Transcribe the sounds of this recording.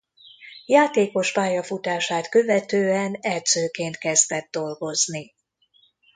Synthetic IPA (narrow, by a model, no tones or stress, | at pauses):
jaːt̪eːko̞ʃpaːjɒfut̪aːʃaːt̪kø̞vɛt̪øːɛnɛrt̪søːkeːnt̪kɛzd̪ɛd̪̚d̪o̞lɡo̞zni